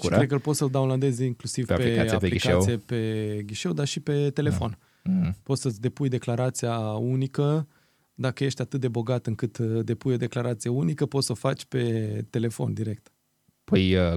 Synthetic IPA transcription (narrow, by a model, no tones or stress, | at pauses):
kuekəɨlpo̞t̪səld̪awnland̪e̞ziŋklusiveapeiaaliikw̪ijepe̞ɡʲiʃe̞wd̪aʃipe̞t̪e̞le̞fo̞̰n̩ | po̞t̪səsʲd̪e̞pujd̪e̞klaɾat̪siaunikə | d̪akəje̞ʃt̪ʲat̪ɨt̪̚d̪e̞bo̞ɡat̪ɨŋkɨt̪d̪e̞pujo̞d̪e̞klaɾat̪sijeunikəpo̞t̪sofat͡ʃʲpe̞t̪e̞le̞fo̞̰nd̪iɾe̞k̚t̪ | pəjə